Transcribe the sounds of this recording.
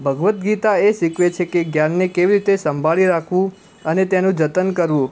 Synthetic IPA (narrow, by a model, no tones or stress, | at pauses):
bʱəɡʋət̪ɡit̪aeʃikʰʋet͡ʃʰekeɡjanːekeʋiɾit̪esəmbʱaɭiɾakʰʋũ | ənet̪enũd͡ʒət̪ənkəɾʋũ